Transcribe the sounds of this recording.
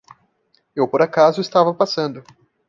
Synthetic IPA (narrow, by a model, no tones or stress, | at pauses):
ewpoɾakazʊɪst̪avɐpasɐ̃nd̪ʊ